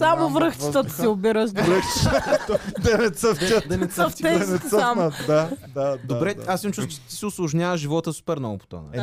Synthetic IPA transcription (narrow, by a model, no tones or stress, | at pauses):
samovɾəxt͡ʃi̥t̪ət̪siʊbiɾəʃd̪ɾɛ | d̪ɛnɛt̪səfəd̪ɛnɛsəft̪ɛɛnɛəamd̪ad̪add̪obɾɛasmt͡ʃust̪t͡ʃt̪i̥sɛʊslˠʊʒnʲjavəʒivɔt̪əsu̥pɛɾnɔ̰o̰po̥t̪ɔ̰nɐ̰